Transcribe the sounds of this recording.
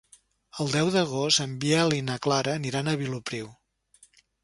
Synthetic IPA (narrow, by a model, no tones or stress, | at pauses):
əlˠd̪ɛwðəɣost̪əmbiɛlinəklaɾəːniɾanəβilupɾiw